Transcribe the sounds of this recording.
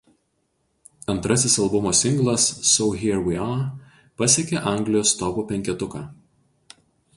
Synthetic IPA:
ɐnt̪ɾɐsʲɪsɐlˠbʊmoːsʲɪŋɡlˠɐsːɔʊɦʲiɾwɪɑ | pɐsʲeːkʲeʔɑˑŋʲɡlʲɪjoːst̪ɔbuːpʲɛŋʲkʲɛt̪ʊkɑː

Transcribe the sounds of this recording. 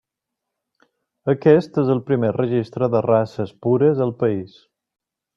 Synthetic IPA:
əkɛst̪ezəlˠpɾimerəʒist̪ɾəðərasəspuɾəzəlˠpəis

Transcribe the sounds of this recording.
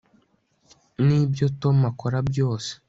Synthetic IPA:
niːbjo̞to̞makoɾabjo̞ːse̥

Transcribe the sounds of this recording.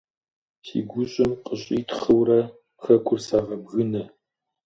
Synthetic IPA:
sḭːɡʷʊɕʼɪmqəɕʼiːtχɨwrɐ | xɐkʷʰʊrsaʁɐbɣɨnɐ

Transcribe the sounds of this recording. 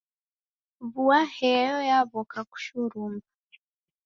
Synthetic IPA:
βuahɛjɔjaβɔkaku̥ʃuɾumɡa

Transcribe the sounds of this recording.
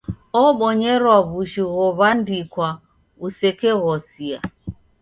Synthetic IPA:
ɔɓɔɲɛɾwaβuʃiɣɔβandikwa | usɛkɛɣɔsia̰

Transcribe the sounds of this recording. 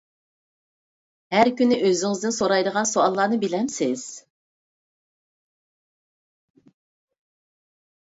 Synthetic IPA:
hæɾkʲynɪʔøzɪŋɪzd̪ɪnsoɾɑjd̪əʁɑnsoɑlˠːɑːnɨbɪlɛmsɪz̥

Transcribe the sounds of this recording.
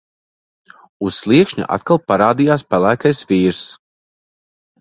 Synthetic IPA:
ussʲlˠiɛkʃɲṵʔa̰t̪kalˠpaɾaːd̪ijaːspælˠæːkajsviːɾs

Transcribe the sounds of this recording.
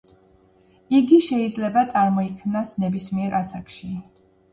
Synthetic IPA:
iɡiʃɛid̪zlɛbat̪sʼaɾmɔikʰmnasnɛbismiɛɾʔasakʃi

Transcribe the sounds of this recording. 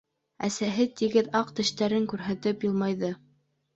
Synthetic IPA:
æsæɦɘt̪iɡɘðɑqt̪ɘ̆ʃt̪æɾɘŋkʉɾɦæt̪ɘpjɤ̆lˠmɑjðɤ

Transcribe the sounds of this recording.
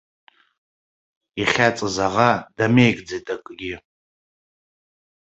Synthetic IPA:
iχʲat͡sʼɨzaʁadamejkʼd͡zejtʼakʼɡʲi

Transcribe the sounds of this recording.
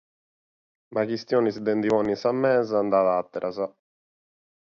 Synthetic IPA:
makist̪joːnisid̪ɛnd̪ivɔːnːinsamːɛːzand̪aðat̪ːɛɾʔaza

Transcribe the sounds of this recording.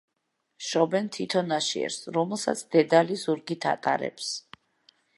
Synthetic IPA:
ʃɔbɛnt̪ʰit̪ʰɔnaʃiɛ̰ɾsɾɔmɛlˠsa̰t̪sʰd̪̥ɛd̪alizuɾɡit̪ʰa̰t̪ʼa̰ɾɛ̰ps

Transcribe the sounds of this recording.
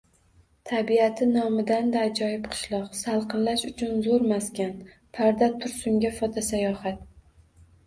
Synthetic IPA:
t̪ʰabiat̪ʰɪnɒmɪd̪and̪aːd͡ʒɒjɪpqʰɨ̥ʃlˠɒqsalˠqʰɨnlaʃʊt͡ʃʰʊnzoɾmaskʲan | pʰaɾd̪at̪ʰʊɾsʊŋɡʲafɒt̪ʰasajɒhat̪̚

